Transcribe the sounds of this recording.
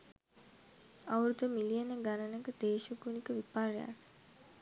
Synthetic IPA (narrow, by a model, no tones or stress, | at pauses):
awɾud̪əmilijənəɡanənəkəd̪eːʃəkunikəʋipaɾja̰s